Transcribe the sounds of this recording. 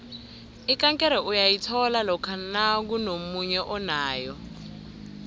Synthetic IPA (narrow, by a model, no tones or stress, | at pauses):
ikaŋkʼɛɾɛʔujajitʰɔlalɔkʰanak̬unomuɲɛʔɔnaːjɔ